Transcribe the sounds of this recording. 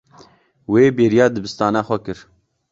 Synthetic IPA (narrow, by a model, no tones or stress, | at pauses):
weːbeːɾijɑːd̪ɨbɨst̪ɑːnɑːxʷɛkɨɾ